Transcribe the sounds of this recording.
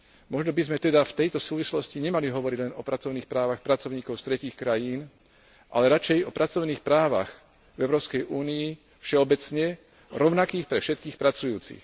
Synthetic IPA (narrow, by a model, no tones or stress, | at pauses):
mɔʒnɔbizmɛt̪ɛd̪aft̪ɛjt̪ɔsuːʋislɔsciɲɛmaliɦɔʋɔɾiɟlɛnɔpɾat͡sɔʊniːxpɾaːʋaxpɾat͡sɔʊɲiːkɔʊst̪ɾɛciːxkɾajiːn | ʔa̰lɛɾat͡ʃɛjɔpɾʔat͡sɔʊniːxpɾaːʋa̰x | vɛʊɾɔːʊskɛjuːnii | fʃɛɔbɛt͡sɲɛ | ɾɔʊnakiːxpɾɛfʃɛt̪̚kiːxpɾat͡sujuːt͡sḭx